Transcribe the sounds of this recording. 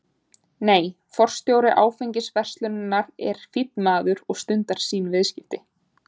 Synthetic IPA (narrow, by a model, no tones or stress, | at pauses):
neːj | fɔr̥st̪jowɾɪʔaːwfeɲcɪsvɛr̥st̪lʏnnːaɾɛɾ̥fit̪nmaːðʏɾɔɣst̪ʏnt̪aɾ̥siːnvɪðscɪft̪ɪ